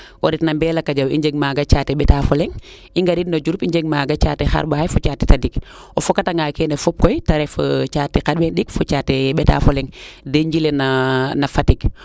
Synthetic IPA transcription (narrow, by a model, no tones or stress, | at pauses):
ʔoɾitnambeːlakaɟawḭɲɟeɡ̚maːɡat͡ʃateɓetafoleŋ | iŋɡaɾitnod͡ʒuɾupiɲɟeɡ̚maɡat͡ʃa̰ːtexa̰ɾbahajfut͡ʃaːti̥tadik | ofokataŋɡakenefup̚kojtaɾefot͡ʃaːtːikabenɗikfut͡ʃaːteɓeta̰foleŋdeɲɟilenanafatik